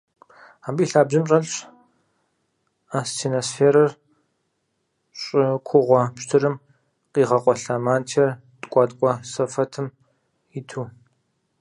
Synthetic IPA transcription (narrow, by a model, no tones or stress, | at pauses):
aːbiːɬaːbʑɨmɕʼɐɮɕ | aːstʰinosfeːɾɐr | ɕʼɪkʷʰʊʁʷɔpʃtʰɨɾɨm | qiːʁɐqʷʼɔɬaːmaːntʰɐr | tʼkʷʼɑtʼkʷʼɔsɐfɐtʰɨm | ɪtʰuː